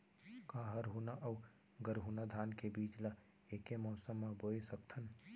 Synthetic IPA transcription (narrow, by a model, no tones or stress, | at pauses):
kaɦəɾɦunaʔəu | ɡəɾɦunad̪ʱaːnkebiːt͡ʃla | eːkemɔːsəmːaboːesək̚t̪ʰən